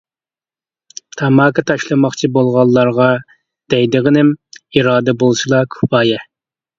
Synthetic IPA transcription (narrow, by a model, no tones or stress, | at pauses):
t̪ʰɑmɑːkʰɑt̪ʰɑʃlˠɨmɑχt͡ʃʰibolˠʁɑlˠːɑɾʁɑ | d̪̥ɛjd̪ɨʁənɪmiɾɑːd̪ɛbolˠɨʃɨlˠɑkʲʰu̥pɑːjɛ